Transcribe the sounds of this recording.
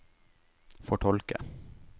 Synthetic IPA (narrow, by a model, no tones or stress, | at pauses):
fɔʈʰɔlkə̰